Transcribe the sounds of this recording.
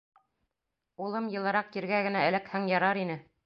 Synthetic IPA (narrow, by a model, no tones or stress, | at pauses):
ulˠɤmjɤ̆lˠɤ̆ɾɑq̚kiɾɡæɡɘ̆nææ̆lɘkhæŋjɑɾɑɾinɘ